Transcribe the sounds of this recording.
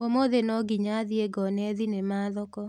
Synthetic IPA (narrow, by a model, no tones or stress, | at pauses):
omoðenɔɡiɲaðieɡɔnɛðinemaːðɔkɔ